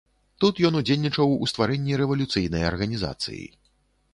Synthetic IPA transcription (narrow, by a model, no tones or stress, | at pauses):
t̪ut̪jɔnud͡zʲelʲnʲit͡ʂɐwṵst̪vaɾɛnʲːiɾɛvɐlʲut̪sɨjnɐjɐ̰rɣɐnʲiza̰t̪sɨ̰jḭ